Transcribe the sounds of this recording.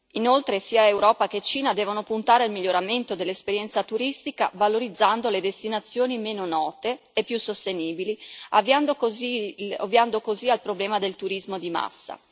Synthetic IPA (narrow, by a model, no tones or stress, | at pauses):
inolt̪ɾesiːaewɾɔːpaket͡ʃiːnad̪ɛːvonopunt̪aːɾealmiʎːoɾament̪od̪elːespeɾjɛnt̪sat̪uɾist̪ikavaloɾid̪zːand̪oled̪est̪inat̪sːjoːnimeːnonɔːt̪eːpːjusːost̪eniːbiliavːiand̪okoziavːiand̪okozialpɾoblɛːmad̪elt̪uɾizmod̪ima̰sːa̰